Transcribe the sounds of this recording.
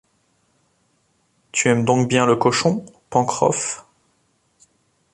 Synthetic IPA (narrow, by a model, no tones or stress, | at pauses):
t̪yɛmd̪ɔ̃k̚bjɛ̃ləkɔʃɔ̃ | pɑ̃kχɔ̰f